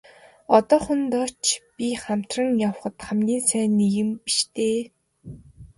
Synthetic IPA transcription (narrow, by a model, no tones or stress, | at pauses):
ɔt̪ɔːχʊnt̪ɔt͡ɕpʲiχam̥t̪rə̆ŋjaw̆χə̆t̪χamɡʲiːnsæːniɣɘ̆mpi̥ʃt̪ʰeː